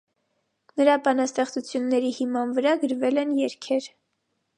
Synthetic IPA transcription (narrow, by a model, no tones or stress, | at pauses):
nəɾɑbɑnɑst̪ɛχt͡sut͡sʰjunːɛɾihimɑnvəɾɑɡəɾvɛlɛnjɛɾkʰɛɾ